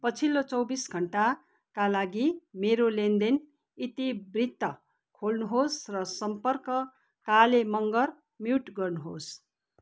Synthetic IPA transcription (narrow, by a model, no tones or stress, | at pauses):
pʌt͡sʰilot͡sʌwbisɡʱʌɳʈa | kalaɡimeɾolend̪en | it̪ibrit̪ːʌ | kʰolnuɦosrʌsʌmpʌrkʌ | kalemʌŋɡʌr | miwʈɡʌrnuɦos